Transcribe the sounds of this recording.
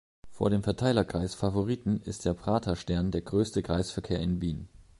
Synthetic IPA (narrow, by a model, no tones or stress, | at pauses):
fo̰ːɐɾeːmfɛɐtʰaɪlɐkʁ̥aɪsfavoʁiːtn̩ɪ̰st̚d̥eːɐpʁ̥aːtʰɐʃtɛɐndeːɐɡʁøːstəkʁ̥aɪsfɛɐkʰeːɐɪnviːn